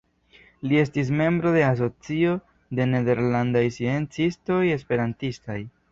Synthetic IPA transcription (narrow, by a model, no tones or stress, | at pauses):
lie̞stis̬me̞mbɾo̞de̞as̬o̞t͡sio̞ | de̞ne̞de̞ɾlandajsient͡sisto̞je̞spe̞ɾantistaj